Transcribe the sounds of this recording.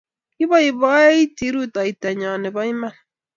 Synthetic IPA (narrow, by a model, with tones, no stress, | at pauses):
ki˦βa˦i˨βɔ˦e˦i˦ti˦ɾu˦ta˨i˨ta˨ɲa˨ne˨βa˦i˦ma˦n